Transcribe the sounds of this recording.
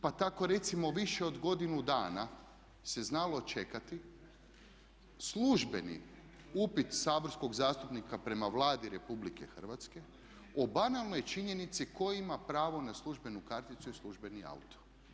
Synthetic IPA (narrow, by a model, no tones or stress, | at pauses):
pat̪ako̞ɾe̞t̪simo̞ʋiʃeo̞d̪ɡo̞d̪inud̪aːna | se̞znalo̞t͡ʃe̞kat̪i | sluʒbe̞nḭ | upit̪saːbo̞ɾsko̞ɡzaːst̪upnikapɾe̞maʋlˠaːd̪iɾe̞publike̞̰xər̩ʋat̪ske̞ | obanalˠno̞jt͡ʃiɲe̞nit̪siko̞jimapɾaːʋo̞naslˠuʒbe̞nukaɾt̪it̪suisluʒbe̞nia̰ut̪o̥